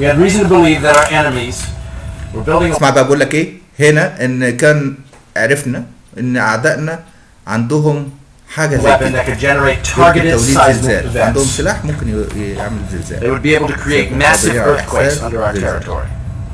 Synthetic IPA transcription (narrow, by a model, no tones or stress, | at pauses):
wiɨdɹizə̃n̩tʰəbəlivðɨɾaʊə˞ʔɛnəmiz̥ | wə˞bɪlˠdɪ̃ŋsmaʕbʔæɡuːlːækʔeː | henæʔenːkæːn | ʕɾɑfnæ | ʔenːʔa̰ʕd̪æʔnæ | ʕand̪ʊɦʊm | ħaːɡæwɛpɨ̃nðɨt̚kɨdd͡ʒɛnə˞eɪtʰɑɹɡɨɾæwlidezːæːlʕand̪ohomselaːħmomkɪnjjḛʕmelzɪ̰zæ̰ːðeɪwʊd̚bieɪbl̩ˠtʰɨ̥kʰɹ̥ieɪt̚mæsɨvəwɛsæːsʌ̃ndə˞aəzɛɹɪ̰tʰɔ̰ɹḭ